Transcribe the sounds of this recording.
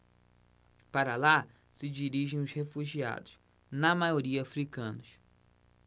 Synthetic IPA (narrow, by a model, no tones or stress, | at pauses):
paɾɐla | sɪd͡ʒiɾiʒẽj̃ʊshefuʒia̰d̪ʊs | nɐmajoɾiɐafɾikɐ̃nʊs